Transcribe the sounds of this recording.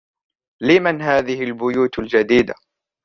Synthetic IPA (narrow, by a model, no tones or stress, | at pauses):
lɪmanɦaːðɪhɪlbʊjuːt̪ald͡ʒad̪iːd̪a̰